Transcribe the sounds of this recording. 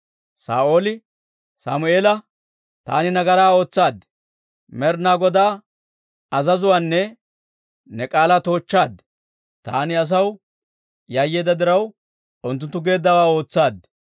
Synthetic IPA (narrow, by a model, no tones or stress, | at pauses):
sa̰ːʔo̞ːlɪ | saːmʊe̞ːlɐ | t̪a̰ːnɪnɐɡɐɾaːo̞ːt͡sːaːd̪ | mɛɾnaːɡɔd̪aː | ɐzɐzʊwaːnːɛ | nɛkʼaːlaːt̪o̞ːt͡ʃːaːd̪ | t̪a̰ːnɪɐs̬ɐw | jajːeːd̪ɐd̪ɪɾɐw | ʊnt̪̬ːʊnt̪ːʊɡe̞ːd̪ːɐwaːo̞ːt͡sːaːd̪